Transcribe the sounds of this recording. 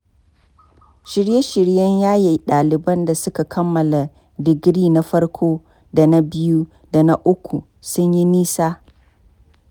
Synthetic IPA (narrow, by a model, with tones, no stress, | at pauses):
ʃɪ˨ɽje˦ʃɪ˨ɽjɐ˦ɲjaː˦ji˨ɗaː˨lɪ˨bɐ˦nda˨sʊ˦ka˨kʰɐ˦mːɐ˨la˨ | dɪ˨ɡɽiː˦na˦ɸɐ˦ɽkʷʰoː˦ | da˨na˦bɪ˦ju˦ | da˨na˦ʔʊ˦kʷu˨ | sʊ˦ɲji˦niː˦saː˦